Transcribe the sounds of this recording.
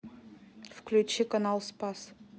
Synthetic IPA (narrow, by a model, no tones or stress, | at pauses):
fklʲut͡ɕːikɐnɑlˠspɑs